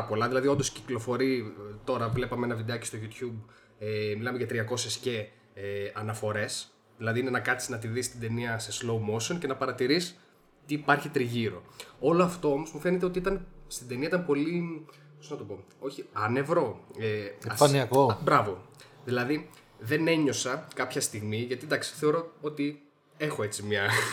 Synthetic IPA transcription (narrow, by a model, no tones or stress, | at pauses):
po̞lɐðilɐðio̞nd̪o̞sciklo̞fo̞ɾit̪o̞ɾɐvle̞pɐmeenɐvid̪eɐcist̪oʝut̪çub | emilɐmeʝɐt̪ɾiɐko̞se̞sce̞ | ɐnɐfo̞ɾe̞s | ðilɐðiinenɐkɐt̪si̥znɐt̪iðist̪ind̪e̞niɐseslo̞wmoso̞nce̞nɐpɐɾɐt̪iɾis | t̪iːpɐɾçit̪ɾiʝiɾo̞̰o̞loɐft̪o̞o̞mo̞zmufe̞ne̞t̪eo̞t̪iit̪ɐnst̪id̪e̞niɐit̪ɐnpo̞li | posznɐt̪o̞po̞ | o̞çiɐne̞vɾo̞efɐniɐkobɾɐvo̞ðilɐði | ðe̞ne̞ɲo̞sɐkɐpçɐst̪iɣmiʝɐt̪id̪ɐksi̥θe̞o̞ɾo̞o̞t̪i | e̞xo̞e̞t͡simɲɐ